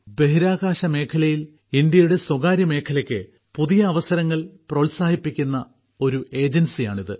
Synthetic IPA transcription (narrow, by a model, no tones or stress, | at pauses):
be̞ɦiɾaːɣaːɕɐme̞ːkʰɐlɐjil | ind̪jɐjuɽe̞swɐɣaːɾjɐme̞ːkʰɐlɐkʲːɨ | puðijɐːʋɐsɐɾɐŋːɐɭprɐʋlsaːhipːikʲːunːɐ | o̞ɾue̞ːd͡ʑensijaːɳiðɨ